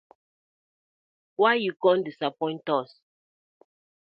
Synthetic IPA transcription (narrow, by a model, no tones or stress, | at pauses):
wajjukɔ̃ndisapɔ̃ɪ̃ntɔs